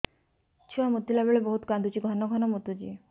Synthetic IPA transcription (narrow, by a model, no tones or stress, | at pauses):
t͡ʃʰuwamut̪ːilabeɭebɔɦut̪kand̪ut͡ʃiɡʱɔnɔɡʱɔnɔmut̪ud͡ʒḭ